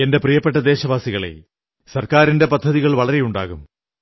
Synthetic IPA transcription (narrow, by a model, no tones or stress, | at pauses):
e̞nde̞prijɐpːeʈːɐd̪eːɕɐʋaːsiɣɐɭḛ | sɐrkaːɾinde̞pɐd̪ʱːɐðiɣɐɭʋɐɭɐɾe̞juɳɖa̰ːɣum